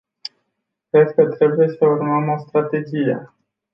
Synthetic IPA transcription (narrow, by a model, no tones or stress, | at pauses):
kɾe̞d̪kət̪ɾe̞buje̞səurməmo̞st̪ɾat̪e̞d͡ʒijḛ